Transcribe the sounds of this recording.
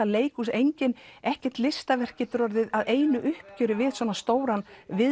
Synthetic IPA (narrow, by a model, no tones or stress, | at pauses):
aleːjkus̬ejɲcɪnɛhcɛr̥t̪lɪst̪avɛr̥kcɪt̪ʏɾɔɾðɪðaðeːjnʏʔʏhpcœːɾʏvɪðsvɔːnast̪oːwɾanvɪ